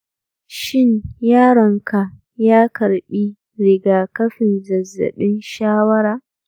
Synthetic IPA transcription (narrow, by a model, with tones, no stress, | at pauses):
ʃɪ˦njaː˦ɽɐ˨ŋka˨ | jaː˦kɐ˨ɽɓiː˦ | ɾɪ˨ɡaː˨kɐ˦ɸɪ˨nzɐ˨zːɐ̰˨ɓɪ˦nʃaː˦wɐ˦ɾaː˨